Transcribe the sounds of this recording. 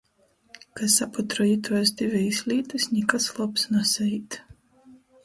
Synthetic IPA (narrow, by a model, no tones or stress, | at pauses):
kasapɔt̪ɾɔit̪uɔjsd̪ivʲɛjislʲiːt̪ɨsnʲɛkaslˠapsnasaiːt̪